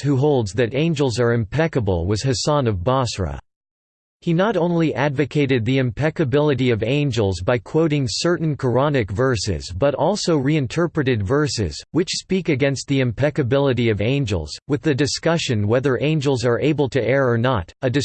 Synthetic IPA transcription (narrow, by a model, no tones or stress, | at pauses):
huɦoʊlˠdzðɨɾẽɪ̃nd͡ʒl̩ˠzə˞ɨ̃mpʰɛkəbə̰l̩ˠwʌz̥hɨsɑ̃nʌvbɑsɹə̰ | hinəɾõʊ̃nliʔædvɨkʰeɪɾɨd̪̚ðiɨ̃mpʰɛkɨbɪlˠɨɾiʌvẽɪ̃nd͡ʒəl̩ˠzbaɪkʰw̥oʊɾɪ̃ŋsɜ˞ʔn̩kʰə˞ɑnɨkvɜ˞sɪ̰zbʌɾɔlˠsoʊɹiɨ̃ntʰɜ˞pɹɨɾɨdvɜ˞sɪ̰z̥wɨt͡ʃspikɨɡɛ̃nst̪̚ðiɨ̃mpʰɛkɨbɪlˠəɾiʌvẽɪ̃nd͡ʒl̩ˠz̥wɨðɨdɨskʌʃɨ̃nwɛðə˞ʔẽɪ̃nd͡ʒl̩ˠzə˞ʔeɪbəl̩ˠtʰɨʔɛɹə˞nə̰ɾɨdɨ